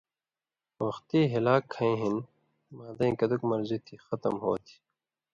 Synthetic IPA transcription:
wɐxt̪iɦilaːkʰːɐĩɦin | maːd̪ɐ̃kɐd̪ukmɐɾzit̪ʰixʌt̪ɐ̰mɦo̰ːt̪ʰi̥

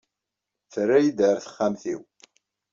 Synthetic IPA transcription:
θrːæjid̪əɾθə̥χːamθḭw

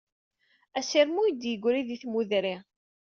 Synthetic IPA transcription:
æsiɾmujəd̪jəɡʷɾiðiθmuðɾi

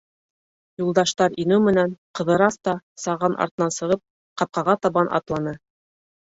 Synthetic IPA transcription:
julˠd̪ɑʃt̪ɑɾinɘwmɘ̆nænqɤ̆ðɤ̆ɾɑst̪ɑsɑʁɑnʔɑ̰ɾt̪ɤ̆nɑnsɤ̆ʁɤp̚ | qɑp̚qɑʁɑt̪ɑβɑnʔɑ̰t̪lˠɑnɤ

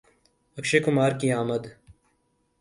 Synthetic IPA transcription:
ɐkʃeːkʊmaːɾkiaːməd̪

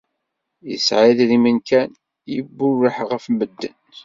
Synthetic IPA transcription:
jəsʕiððimənkʰæn | jəbːʊrːəħʁəfməd̪ːə̰n

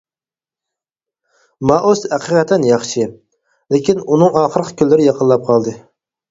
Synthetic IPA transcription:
mɑʔoshæqʰəqʰɛt̪ʰːɛnjɑχʃɨ | lekʲʰinunɨŋɑːχəɾəqʰə̥kʲʰylːɪɾɪjɑqʰənlˠɑp̚qʰɑlˠd̪ɨ

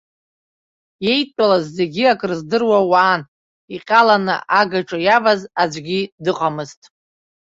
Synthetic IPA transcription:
je̞jtʷʼalazːe̞ɡʲiakʼrɨzdɨrwawaːn | iqʲʼalanɨ̰ʔaɡaʈ͡ʂʼajavazad͡ʒʷɡʲidɨqʼamɨztʼ

